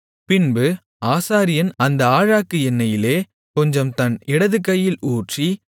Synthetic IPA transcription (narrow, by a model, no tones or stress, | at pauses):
pɪnbɯ | aːsaːɾɪjɐnɐnd̪ɐaːɻaːkːɯɛnːɐjɪleː | kɔɲd͡ʒɐmt̪ɐnɪɽɐðɯkːɐjːɪluːʈri